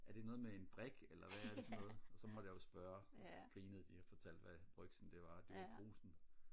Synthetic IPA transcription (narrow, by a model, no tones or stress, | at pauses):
æɐɾ̥e̝nɔ̽ːð̞̩ˠmee̝nb̥ʁeɡ̥elɐʋæsnɔ̽ːð̩ˠɒ̽sɒ̽mɒd̥əjɑ̈jo̝sb̥ɶːɐɡ̥ʁiːnəð̞̩ˠd̥ihæfɒ̽t͡sʰæl̰d̥ʋæb̥ʁœɡ̥sn̩d̥e̝ʋɑ̈d̥eʋæb̥ʰo̝̰ːsn̩